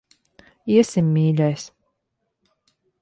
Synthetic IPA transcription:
iɛsimːʲiːlʲajs

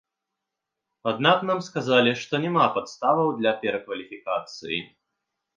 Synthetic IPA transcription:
ad̪naknamskazalʲiʂt̪ɔnʲɛmapat̪st̪avɐwd̪lʲɐpʲɛɾɐkvɐlʲifʲikat̪sɨjḭ

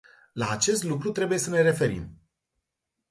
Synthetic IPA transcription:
laːt͡ʃe̞st̪lukɾut̪ɾe̞buje̞səne̞ɾe̞fe̞ɾḭm

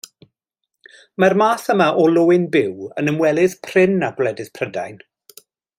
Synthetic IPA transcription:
marmaːθəmaʔɔlʊːɪnbɪwə̰nəmwɛlˠɪðpʰr̥ɪnaɡwlɛdɪθpʰrəda̰jn

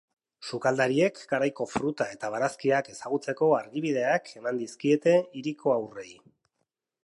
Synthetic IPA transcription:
sukald̪aɾie̞kɡaɾajko̞fɾut̪ae̞t̪aβ̞aɾaskiake̞saɣ̞ut͡se̞ko̞aɾɣiβiðe̞akʰe̞mand̪iskie̞t̪e̞iɾikʰo̞awre̞j

